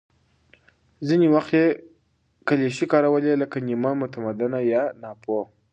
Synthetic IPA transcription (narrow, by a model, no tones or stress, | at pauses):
ziniwaxt̪je | kaleʃikɑɾawəleləkanimamʊt̪amad̪anajɑnɑpo